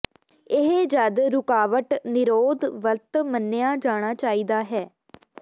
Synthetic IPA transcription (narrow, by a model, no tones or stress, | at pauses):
ɪɦed͡ʒəd̪ɾʊkaːʋəʈnɪɾoːd̪ʋəlt̪mənːejãːd͡ʒaːɽ̃aːt͡ʃaːiːd̪aːɦɛː